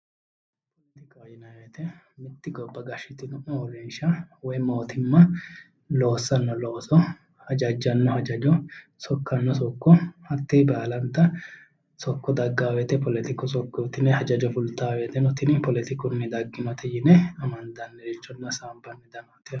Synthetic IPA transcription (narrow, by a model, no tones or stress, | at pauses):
ɔpɔlɛt̪ɪkajɪnɐwet̪ɛ | mɪt̪ːɪɡɔbːɐɡɐʃːɪt̪ɪnɔʔɔɔɾɛnʃɐwɔjmo̞ːt̪ɪmːɐ | loːsːɐnːɔloːsɔ | hɐd͡ʒɐd͡ʒːɐnːɔhɐd͡ʒɐd͡ʒɔ | sɔkːɐnːɔs̬ɔkːɔhɐt̪ːɛbaːlɐnt̪ːɐ | sɔkːɔd̪ɐɡːaːwɛt̪ɛpɔlɛt̪ɪkɔsɔkːɔt̪ɪnɛhɐd͡ʒɐd͡ʒɔfʊlt̪aːwɛt̪ɛnɔt̪ɪnɪpɔlɛt̪ɪkʊnːɪd̪ɐɡːɪnɔt̪ɛjɪnɛɐmɐnd̪ɐnːɛɾɪt͡ʃːɔnːɐsaːmbɐnːɛd̪ɐnɔt̪ɛ